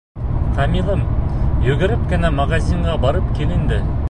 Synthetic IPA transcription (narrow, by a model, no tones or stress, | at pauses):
qʰɑmilˠɤmjɵɡɘ̆ɾɘp̚kɘ̆næmɑʁɑsiɴʁɑbɑɾəpkʲʰelɘ̆nd̪ɪ